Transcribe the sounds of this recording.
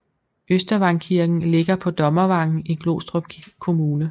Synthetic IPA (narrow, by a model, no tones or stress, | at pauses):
øsd̥ɐʋɑ̈ŋkʰiɐɡ̥n̩le̝ɡ̥ɐpʰɒ̽d̥ɒ̽mɐʋɑ̈ŋ̰n̩iɡ̥lo̝̰ːsd̥ʁob̥kʰo̝muːnə